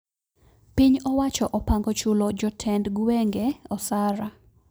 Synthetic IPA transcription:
piɲɔwat͡ʃɔʔɔpaŋɡɔt͡ʃʊlɔd͡ʒɔtʰɛndɡwɛŋɡɛɔsaɾa

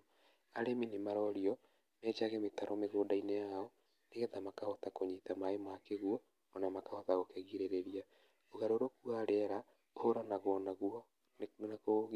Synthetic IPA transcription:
aɾeminimaɾɔɾiɔ | mɛt͡ʃaɣɛmetaɾɔmeɣoːdainejaɔ | neɣɛtamakahɔtakoɲitamaemakeɣuɔː | namakahɔtaɣokɛɣiɾeɾeɾia | oɣaɾoɾokwaɾɛɾa | ohoɾanaɣwɔnaɣuɔ | nnakoɣ

